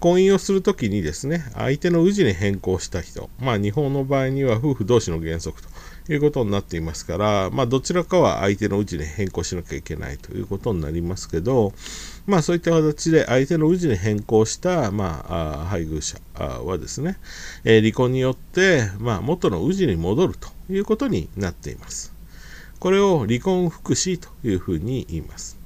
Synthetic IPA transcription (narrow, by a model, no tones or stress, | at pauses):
kõ̞ɰ̃ĩo̞sɨɾɯ̟t̪o̞kʲiɲ̟id̪e̞sɨne̞a̰it̪e̞no̞ɯ̟ʑiɲʲeɦẽ̞ŋko̞ːɕi̥t̪açi̥t̪o̞̰maːɲ̟iɦõ̞nːo̞baːiɲ̟iβaɸɯ̟ːɸɯ̟d̪o̞ːɕino̞ɡẽ̞ɰ̃so̞kɯ̟̥t̪o̥jɯ̟ːko̞t̪o̞ɲʲnat̪ːe̞imasɨ̥kaɾamaːd̪o̞t͡ɕiɾakaβa̰ʔa̰it̪e̞no̞ɯ̟ʑinʲehẽ̞ŋko̞ːɕinokʲaike̞̰na̰ḭt̪o̞̰jɯ̟̰ːko̞t̪o̞ɲ̟ina̰ɾʲimasɨ̥ke̞d̪o̞masoːit̪ːakat̪at͡ɕid̪e̞ʔait̪e̞no̞ɯ̟ʑiɲʲiɦẽ̞ŋko̞ːɕi̥t̪ama̰ɦaiɡɯ̟ːɕa̰βa̰d̪e̞sɨne̞ɾʲikõ̞ɲ̟ːijo̞t̪ːe̞mamo̞t̪ːono̞̰ɯ̟ʑiɲ̟imo̞d̪o̞ɾɯ̟t̪o̥jɯ̟ːko̞t̪o̞ɲ̟ḭnat̪ːe̞̰ḭmasɨ̥ | ko̞ɾe̞o̞ɾʲikõ̞ɰ̃ɸɯ̟̥kɯ̟ɕiːt̪o̥jɯ̟ːɸɯ̟ːɲ̟iiːmasɨ̥